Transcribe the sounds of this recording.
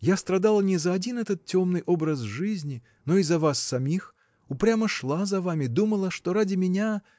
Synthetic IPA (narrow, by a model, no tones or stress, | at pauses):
jast̪ɾad̪alˠənʲɛzɐːd͡zʲinɛt̪ət̪̚t͡sʲɔmnɨjʔɔbɾəzʐɨzʲnʲi | nɔizɐvasːɐmʲix | upɾʲamɐʂlˠazɐvamʲɪd̪uməlˠəʂt̪ɔɾadʲɪmʲɪnʲa